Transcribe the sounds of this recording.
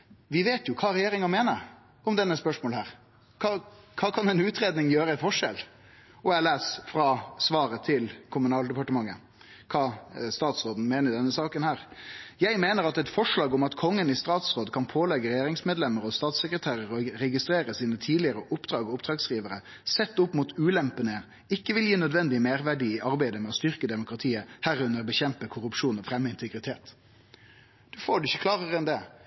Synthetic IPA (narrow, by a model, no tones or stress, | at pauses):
ʋɪʋeːt̪ʰjʊkʰɑːɾɛjeːɾɪŋɑmeːnəɾ | ɔmd̪ɛnːəspœʂmoːlhæːɾ | kʰɑːkʰɑːkʰɑnɛnʉːt̪ɾeːd̪nɪŋjøːɾəɪfɔʂɛl | ɔɛlæːsfɾɑsʋɑːɾət̪ʰɪlkʰʊmʉnɑːld̪ɛpɑʈəmɑŋːə | kʰɑːst̪ɑːt̪sɾoːd̪n̩meːnəɾd̪ɛnːəsɑːkənhæːɾjæɪmeːnəɾɑt̪ɛt̪fɔʂɭɑːɡɔmɑt̪kʰɔŋːənɪst̪ɑːt̪sʁoːd̪kʰɑnpʰoːlɛɡəɾɛjeːɾɪŋsmeːd̪lɛmːəɾɔst̪ɑːt̪səkɾət̪ʰæːɾəɾɔɾɛɡɪst̪ɾeːɾəsiːnət̪ʰiːd̪lɪəɾəʔʊpd̪̥ɾɑːɡɔʊpd̪ɾɑːɡsiːʋəɾə | sɛt̪ːʊpːmuːt̪ʉːlɛmpənə | ɪkːəʋɪljiːnœd̪ʋɛnd̪ɪəmeːɾʋæɖiʔɑʁbæɪd̪əmɛɔst̪ʏʁkəd̪ɛmʊkʁɑt̪ʰiːəhæɾʉnəʁbəçɛmpəkʰʊɾʉpʂuːnɔfɾɛmːəɪnt̪ʰəɡɾɪt̪ʰeːt̪ | d̪̥ʉfoːɖʉɪçːəklɑːʁəʁəɛnd̪ɛ